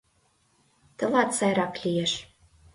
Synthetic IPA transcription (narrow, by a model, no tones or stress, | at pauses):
t̪əlɑt̪sɑjɾɑklʲijeʃ